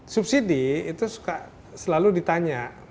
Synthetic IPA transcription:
sup̚sidiːt̪usu̥ka | səlaludit̪aɲa

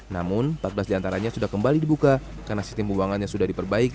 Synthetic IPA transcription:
namʊnpat̪̚bəlasdiant̪aɾaɲasudahkəmbalidibuka | karnasist̪ɪmbuluaŋanjasudahdipərbaik

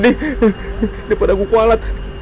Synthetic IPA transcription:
di | dipadakukualat̪̚

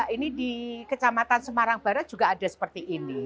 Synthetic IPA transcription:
ʔinidikət͡ʃamat̪ansəmaɾaŋb̥a̤ɾat̪̚d͡ʒ̥uɡaːdasəpərt̪iʔːni

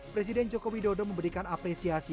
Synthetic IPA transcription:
pɾes̬idɛnd͡ʒokowidodɔməmbəɾikanapɾesiasi

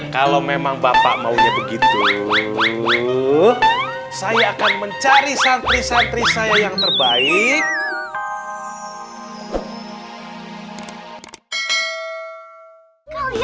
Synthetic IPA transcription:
kalomemaŋbapa̰ʔmauɲabəɡit̪u | sajaːkanməɲt͡ʃaɾisant̪ɾisant̪ɾisajajaŋt̪ərbaɪk̚

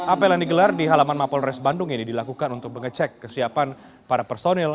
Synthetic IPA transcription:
ʔapɛlaniɡəlardiɦalamanmapɔlrɛsbandʊŋinidilakukanunt̪ʊk̚məŋət͡ʃɛkːəsiapan | paɾapɛrsonɛl

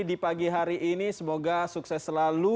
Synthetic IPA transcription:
dipaɡiɦaɾiʔinisəmoɡasuksɛsəlalu

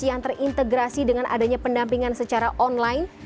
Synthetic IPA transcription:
jaŋt̪ərʔint̪əɡɾasidəŋanʔa̰daɲapəndampiŋansət͡ʃaɾaʔɔnlaɪn

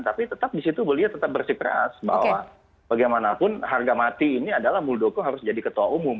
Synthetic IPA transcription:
nt̪apit̪ət̪ap̚disit̪ubəliat̪ət̪ap̚bərsikəɾa̰sba̰wa | b̥aɡajmanapʊnharɡamat̪iːniadalahmuldokɔŋɦaɾʊsd͡ʒadikət̪uaumʊm

